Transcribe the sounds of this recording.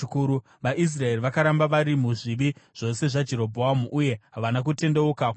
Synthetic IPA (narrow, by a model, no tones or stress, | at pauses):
kuɾu | ʋaʔis̬rae̞riʋakaɾambaʋaɾimuʐiʋiʐ̥o̞se̞ʐad͡ʒe̞ɾo̞bʱoamuʔːje̞ɦaʋanak̬ute̞nde̞ukak